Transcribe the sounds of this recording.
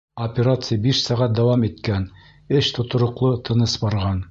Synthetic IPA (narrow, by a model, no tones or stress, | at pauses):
opʲeɾat̪sɨjabiʃsɑʁæt̪̚d̪æwɑmit̪kæn | ɘɕt̪ŏt̪ŏɾŏqlˠot̪ʰɤ̆nɤsbɑɾʁɑn